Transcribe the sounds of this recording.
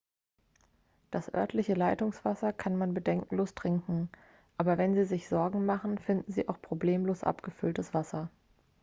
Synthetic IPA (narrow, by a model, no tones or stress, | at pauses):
d̥asʔœ̰ɐtʰlɪçəlaɪtʊŋsv̥asɐkʰanmanbədɛŋkŋ̩loːstʁ̥ɪŋkŋ̩ | ʔaːbɐvɛnziːzɪçz̥ɔɐɡŋ̩maχn̩fɪndn̩zḭːʔaʊxpʁ̥obleːmloːsʔa̰pɡ̥əfʏltəsv̥asɐ